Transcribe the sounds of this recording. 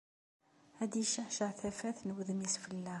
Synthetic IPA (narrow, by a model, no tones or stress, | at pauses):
æd̪iʃəħʃəʕθæfæθnəwəðmisfəlːæ